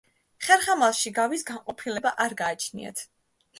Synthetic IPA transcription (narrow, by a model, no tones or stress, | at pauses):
χɛɾχamalˠʃiɡavisɡaŋqʼɔpʰilɛbaʔaɾɡaːt͡ʃʰnḭa̰t̪ʰ